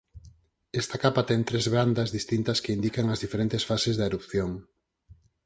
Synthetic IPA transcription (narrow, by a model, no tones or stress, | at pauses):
ɛst̪akapat̪ɛŋt̪ɾezβɾand̪ɐzðist̪int̪ɐskɪind̪ikaŋɐzðifeɾent̪esfasezðaeɾupθjoŋ